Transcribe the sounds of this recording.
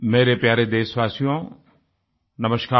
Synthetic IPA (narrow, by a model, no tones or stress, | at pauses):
meːɾepjaːɾed̪eːsʋwaːsijõ | nɐməʃkaː